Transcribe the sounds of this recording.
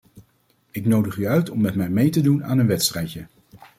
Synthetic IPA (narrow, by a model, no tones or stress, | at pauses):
ɪknowdəχyœɥtɔmːɛtmɛjmejtəduna̰ːnənʋɛtstrɛjtə